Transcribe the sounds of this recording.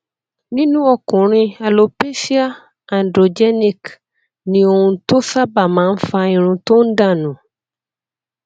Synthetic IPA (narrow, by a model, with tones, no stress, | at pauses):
nĩ˦nũ˦ɔ˨kũ˨ɾ̃ĩ˦a˨lo˨pe˦si˦a˦ | a˨ndɾo˨d͡ʒɛ˦nĩ˦k | nĩ˨o˨ŋũ˨t̪o˦sa˦ba˨mã˨˦n̩˦fa˨ĩ˨ɾ̃ũ˨t̪o˦n̩˦ɖã˦˨nũ˨